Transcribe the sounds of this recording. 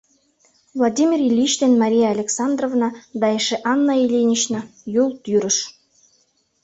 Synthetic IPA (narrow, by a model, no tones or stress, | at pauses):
vlˠɑd̪ʲimʲirilʲit͡ɕt̪enmɑɾʲijeːlʲeksɑnd̪rovnɑd̪ɑjeʃeʔɑnːɑilʲenʲit͡ɕnɑjulˠt̪yɾə̆ʃ